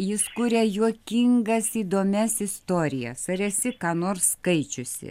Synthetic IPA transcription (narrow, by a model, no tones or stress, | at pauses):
jɪskuːɾʲɛjuɔkʲɪŋɡɐsiːd̪oːmʲɛsɪst̪oːɾʲɪjɛ̰sɐɾɛsʲɪkɑːnoːrsːkɐɪt͡ʃʲʊsʲɪ̰